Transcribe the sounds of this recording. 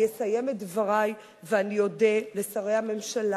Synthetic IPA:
esaje̞metvaʁaj | veanijo̞delesaʁe̞jhame̞mʃala

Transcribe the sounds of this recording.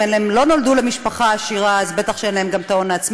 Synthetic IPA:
enlaemlo̞no̞ldule̞miʃpaχaːʃiʁaːzbet̪aχʃeenlae̞mɡamt̪ao̞naːt͡sm

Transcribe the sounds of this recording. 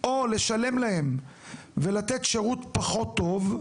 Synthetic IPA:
ʔo̞le̞ʃale̞mlahem | velat̪et̪ʃeʁut̪paχo̞t̪ːo̞v

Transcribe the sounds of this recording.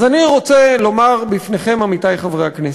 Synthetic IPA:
zaniʁo̞t͡selo̞maʁbifne̞χe̞mamitajχavʁeaknes

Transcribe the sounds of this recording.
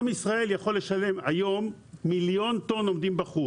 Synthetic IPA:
misʁae̞ljaχo̞lːe̞ʃale̞majo̞mː | iljo̞nt̪o̞no̞md̪imbaχu

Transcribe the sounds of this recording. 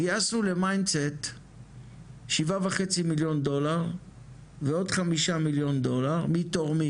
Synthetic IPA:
asule̞majndset | ʃivavaχe̞t͡similjo̞ndo̞laʁ | veo̞dχamiʃamiljo̞ndo̞laʁmitoʁmi

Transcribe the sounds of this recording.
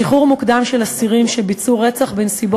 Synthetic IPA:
iχuʁmukd̪amʃelasiʁimʃebit͡suʁet͡saχbensibo

